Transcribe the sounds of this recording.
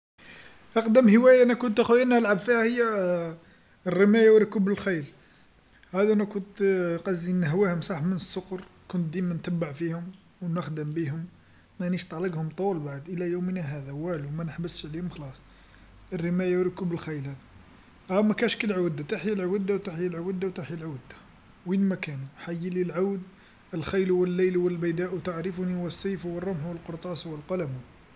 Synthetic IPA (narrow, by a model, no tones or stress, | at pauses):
ʔɑqd̪əmhəwæjaʔænækʊnt̪ʔæxujænæəlʕabfihæhəjːæ | rːəmæjawɾkubəlxæjəl | hæd̪æʔænækʊnt̪qɑzinəɦwæhʊmsˤɑħmənəsːʊqɾˤkʊnt̪̚d̪imænt̪æbːaʕfihʊm | wnəxd̪əmbiɦʊm | mæniʃt̪ˤɑləɡhʊmt̪ˤulbaʕəd̪ʔəlæjumnæɦæd̪æwælumænəħbəsʃʕlihʊmxɑlɑsˤ | ərːəmæjawɾəkːubəlxæjəlhæd̪æ | ʔæmækænʃkəlʕawd̪at̪aħjəlʕwəd̪ːawt̪aħjəlʕawəd̪ːawt̪aħjəlʕad̪ḁ | winmækænuħajːililʕawd̪ | əlxæjlwəlːejlwəlbəjd̪æʔwt̪aʕɾəfuniwəsˤːɑjfwərˤːɑmħwəlqoɾˤt̪ˤɑswəlqɑlæmu